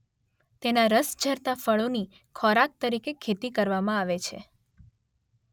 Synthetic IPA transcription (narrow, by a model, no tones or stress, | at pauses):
t̪enaɾəsd͡ʒʱəɾt̪afəɭoni | kʰɔɾak̚t̪əɾikekʰːet̪ikəɾʋamãaʋet͡ʃʰḛ